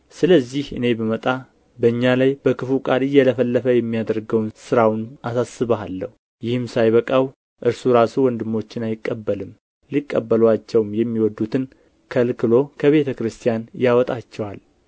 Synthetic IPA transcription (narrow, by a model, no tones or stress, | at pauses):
sɨləzːihɨ̰ne̞bəmət̪ʼa | bəɨɲːalajbəkɨfukʼalɨjːɛləfəlːəfəjɛmːijad̪əɾɡəwnsɨɾawnʔasasːɨβəalːəhu | jɪhɨmsajβəkʼaw | ʔɨɾsuɾasuwɔnd̪ɨmːo̞t͡ʃːɪnajɪkʼːəbːəlɨm | likʼːəbːəlwat͡ʃːɛwmjɛmːiwɔd̪ːut̪ʰɨn | kʰəlkʰɨlo̞kʰəβe̞t̪ʰəkɾɨst̪ʰijanjawɔt̪ʼat͡ʃːɛwal